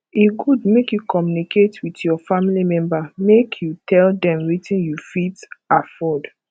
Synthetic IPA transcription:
eɡud̚mekjukɔmjuniketwitjɔfamilimɛ̃mbamekʰjutʰɛldɛ̃mɹitĩnjufitafɔd

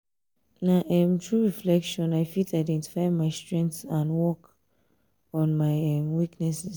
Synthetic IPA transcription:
naʔɛmtʰɹuɹiflɛkʃɔ̃naɪfitaɪdɛ̃nti̥faɪmaɪstɹɛ̃ŋkθãnwɔk | ɔ̃nmaɪɛmwiknɛsɛs

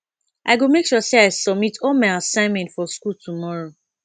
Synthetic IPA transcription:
ʔaɪɡomekʃuseaɪsɔb̚mitʰɔlmaɪasãɪmɛ̃ntfɔskultumɔɹo

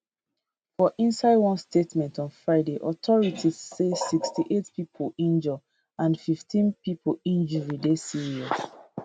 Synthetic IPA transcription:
fɔʔĩnsaɪdwɔ̃nstetmɛ̃ntɔ̃nfɹaɪdeʔɔtʰɔɹitʰiːesikstiʔetpipʰolĩnd͡ʒə | ãnfiftʰĩnpipʰolĩnd͡ʒəɹidesiɹiɔs

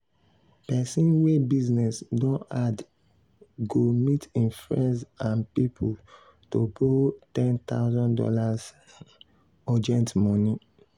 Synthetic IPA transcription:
pɛsĩnwebiznɛsdõad | ɡomitʰĩnfɹɛ̃ndsãnpipʰul | tobotɛ̃nt̪a̰ʊzɔ̃ndɔ̰laz | ɔd͡ʒɛ̃ntmɔni

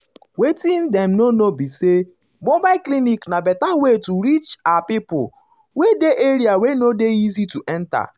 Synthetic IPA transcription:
wetĩn̩dɛm̩nonobise | mobaɪkliniknabɛtawetuɾit͡ʃapipʊ̰ | wedeʔeɾiawenodeizituʔɛnta̰

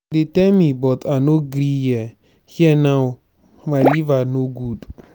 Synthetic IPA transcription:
dɪtɛmibɔtʰanoɡɾijɛ | hiɛnaw | maɪlivanoɡud

